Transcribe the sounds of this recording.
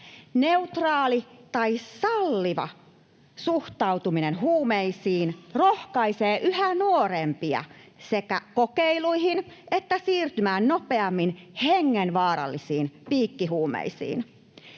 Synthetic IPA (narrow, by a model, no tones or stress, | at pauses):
neut̪rɑːlit̪ɑisɑlːiʋɑ̰ | suht̪ɑwt̪uminenɦuːmeisiːnrohkɑiseːʔyhænuoɾempiɑ̰sekæ̰kokeiluihinʔet̪ːæsiːrt̪ymæːnnopeɑmːinheŋːenʋɑːɾɑ̰lːisiːnpiːkːiɦuːmḛisḭːn